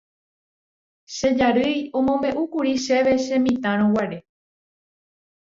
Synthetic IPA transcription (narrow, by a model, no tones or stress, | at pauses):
ʃed͡ʒaɾɨjõ̞mõ̞mẽ̞ʔukuɾiʃe̞ʋe̞ʃẽ̞mĩt̪ãɾ̃õwaɾe̞